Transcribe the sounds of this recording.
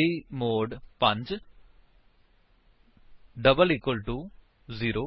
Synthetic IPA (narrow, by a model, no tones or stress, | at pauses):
imoːɖpɐ̃ɲd͡ʒ | ɖɐbəlikwɐlʈuː | ziːɾoː